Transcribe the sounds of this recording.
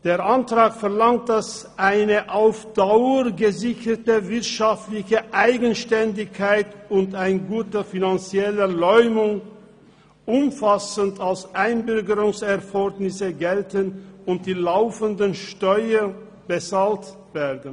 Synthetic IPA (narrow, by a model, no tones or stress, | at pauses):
d̥eːɐʔantʁ̥aːkfɛɐlaŋt̚d̥asʔaɪnəʔaʊfd̥aʊəʁɡəzɪçɐtəvɪɐtʃaftlɪçəʔaɪɡənʃtɛndɪçkʰaɪtʊntaɪnɡuːtəfinant͡sjɛləlɔʏmʊŋ | ʔʊmfasəntʰalsʔaɪnbʏʁɡəʁʊŋsɛɐfɔɡnɪsəɡɛltənʊnt̚d̥iːlaʊfəndənʃtɔʏɐ | b̥ət͡saːlt | vɛdn̩